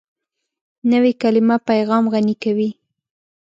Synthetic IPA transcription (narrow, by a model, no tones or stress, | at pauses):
nəwekalɪmapajɣɑmɣanikawi